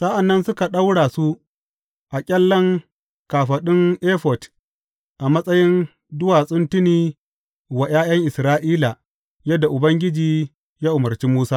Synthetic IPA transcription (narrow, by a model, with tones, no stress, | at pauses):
sa˦ʔa˨nːɐ˦nsʊ˦ka˨ɗa˦wɽaː˨su˦ | ʔa˨kʲʼɛ˦lːɐ˦ŋ | kaː˨ɸɐ˨ɗɪ˦ŋʔeː˦ɸɔ˨t | ʔa˨mɐ˦sʼɐ˦jɪ˦n | dʊ˦waː˨sʼʊ˦ntɪ˦niː˦ | wa˨jaː˦j̰ɐ˦ŋʔɪ˨sɾaː˦ʔiː˦la˨ | jɐ˦dːa˨ʔʊ˨bɐ˦ŋɡʲɪ˦d͡ʒiː˨ | jaː˦ʔʊ˨mɐ˨rt͡ʃi˦muː˦saː˦